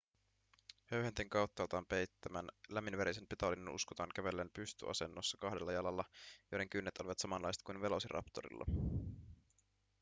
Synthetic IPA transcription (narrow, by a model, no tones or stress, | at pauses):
høɥhent̪eŋkɑwt̪ːɑolt̪ɑːmpe̞jt̪ːæmænlæminʋæɾise̞npet̪ɑlːinenṵskot̪ɑːŋk̟æʋe̞lːeːnpyst̪y̰ʔɑ̰se̞nːosːɑkɑɦde̞lːɑjɑlɑlːɑjojde̞ŋkynːet̪oliʋɑt̪sɑmɑnlːɑjse̥t̪kujnʋe̞losirʔɑ̰pt̪oɾḭlːɑ̰